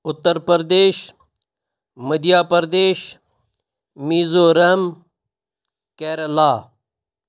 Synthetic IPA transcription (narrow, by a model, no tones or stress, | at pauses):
ʊt̪ːəɾpɐɾd̪eːʃ | mɐd̪ijaːpɐɾd̪eːʃ | miːzoːɾɐɦm | keːɾɐlaː